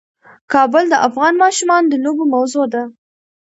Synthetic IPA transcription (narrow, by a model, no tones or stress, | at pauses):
kɑbəld̪əʔafɣɑnmɑʃumɑnd̪əlobomawzod̪a